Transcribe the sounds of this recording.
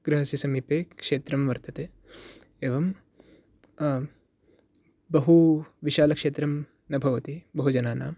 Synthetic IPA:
ɡ̥ɾɪɦɐsisɐmipeːkʂeːt̪ɾɐmʋɐɾt̪ɐt̪eː | eːʋɐm | bɐɦuʋiʃaːlɐkʂeːt̪ɾɐm | nɐbʱɐʋɐt̪ibɐɦud͡ʒɐnaːnaːm

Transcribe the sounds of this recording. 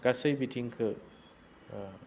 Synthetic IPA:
ɡasɐjbitʰiŋkʰɯ

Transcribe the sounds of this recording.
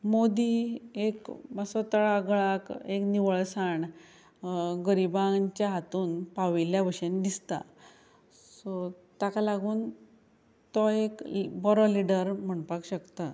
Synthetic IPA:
mod̪iekməsɔt̪əɭaɡəɭakekniʋəɭsaɳ | ɡəɾibãɲt͡ɕjaɦat̪uːnpaʋiljaʋəɕend̪ist̪a̰ | sɔ | t̪akalaɡuːn | t̪ɔekbɔɾɔliɖəɾm̤əɳpakɕəkt̪a

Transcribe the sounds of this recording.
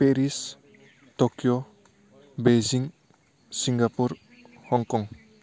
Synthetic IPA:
peɾis | tokjɔ | beziŋ | siŋɡapuɾ | hɔŋkɔŋ

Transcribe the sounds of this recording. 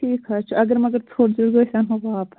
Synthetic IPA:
ʈʰiːkɦaːt͡ʃʰɐɡəɾmɐɡəɾtʰoːɽd͡ʒʊɽɡoːsɐnɦɐbaːp

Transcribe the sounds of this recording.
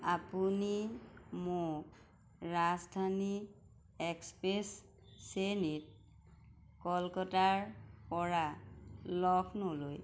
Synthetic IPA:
apunimok | ɹazdʱani | ɛkspes | senit̚ | kɔlkɔtaɹpɔɹa | lɔkʰnoloj

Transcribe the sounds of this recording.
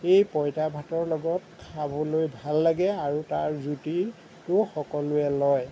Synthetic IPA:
ejpɔjtabʱatɔɹlɔɡɔt̚kʰabɔlojbʱalːaɡɛaɹutaɹzuti | tʊxɔkɔlʊɛlɔj

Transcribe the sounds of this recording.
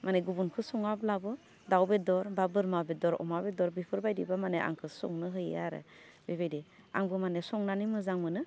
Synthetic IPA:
mʔaneɡubunkʰɯsɔŋablabɯ | dawbedɔɾbabɯɾmabedɔɾɔ̰mabedɔɾbipʰɯɾbajdibamaneʔa̰ŋkʰɯsɔ̰ŋnɯɦɯjaɾɯ̰ | bebejdi | a̰ŋbɯmanesɔŋnanimɯzaŋmɯnɯ

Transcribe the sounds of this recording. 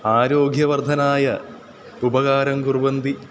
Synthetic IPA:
aːɾo̞ːɡʱjɐʋɐrd̪ʱɐnaːjɐ | ubɐɣaːɾɐŋɡurʋɐnd̪i

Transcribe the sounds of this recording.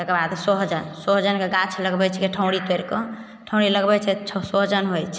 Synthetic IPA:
t̪əkebad̪soɦd͡ʒənsoɦd͡ʒənkeɡãt͡ʃʰləɡbɛt͡ʃʰɛkeʈʰəw̃ɽit̪weɾkɔ | ʈʰə̃w̃ɽiləɡbɛt͡ʃʰɛt͡ʃʰsoɦd͡ʒənɦojt͡ʃʰ

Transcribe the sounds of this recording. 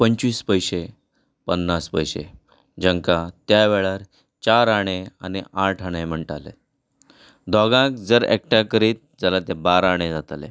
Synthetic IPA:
pəɲt͡ɕʋiːspəjɕe | pənːaspəjɕḛ | d͡ʑəŋkat̪jaʋeɭaɾ | t͡ɕaɾaɽ̃ea̰niaʈʰaɽ̃em̤əɳʈalḛ | d̪ʱɔɡãk̚d͡zəɾḛk̚ʈakəɾiːt̪̚d͡zalat̪ebaɾaɽ̃ed͡zat̪alḛ

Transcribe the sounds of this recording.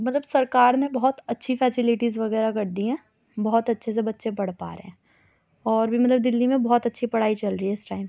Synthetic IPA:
mɐt̪ləbsɐɾkaːɾnebɔɦɔt̪ɐtːʃʰifɛːsɪlɪʈizʋɐɣɛːɾakɐɾd̪iɦɛ̃ː | bɔɦɔt̪ɐtːʃʰes̬ebɐtːʃepɐɽ̤pa̰ːɾḛɦɛ̃ː | ɔːɾbʱimɐt̪ləb̚d̪ɪlːimẽbɔɦɔt̪ɐtːʃʰipɐɽ̤aːit͡ʃɐlɾəiɛɪsʈaːɪm

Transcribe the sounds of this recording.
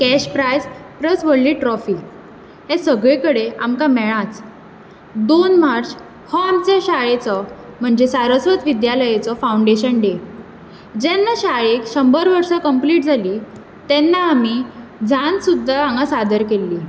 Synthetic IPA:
kæɕpɾajspɾəsʋəɽliːʈɾɔfiː | ɦesəɡɭekəɽeamkamɛɭ̃ãt͡s | d̪onmaɾt͡ɕ | hɔamt͡ɕaɕaɭet͡sɔm̤əɳd͡ʑesaɾəsʋət̪ʋid̪jaləjet͡sɔfauɳɖeɕənɖe | d͡ʑɛnːaɕaɭekɕəmbəɾʋəɾsakəmpliːʈ̚d͡zʱaliː | t̪ɛnːaamid͡zʱansud̪ʱːaaŋɡasad̪ʱəɾkelːiː

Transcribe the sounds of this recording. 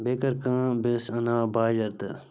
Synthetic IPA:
beːkəɾkãːbesɐnaːbaːd͡ʒɐɾt̪ɨ

